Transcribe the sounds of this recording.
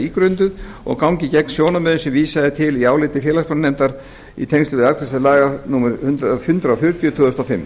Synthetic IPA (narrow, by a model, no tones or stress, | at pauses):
iːkɾʏnt̪ʏð | ɔ̰ɣkawŋcɪcɛkn̥sjoːwnamœːðʏsɛmviːsaðɪt̪ʰɪliaːwlɪːt̪ɪfjɛːlaspɔnnɛmt̪aɾ̥ | ḭt̪ʰejŋst̪ʏːðɪalkʰɾɛst̪alaːɣanuːmɛɾhʏnt̪ɾafjʏnt̪ɾaɔfjʏɾ̥t̪jʏt̪ʰœːðʏst̪awfɪmː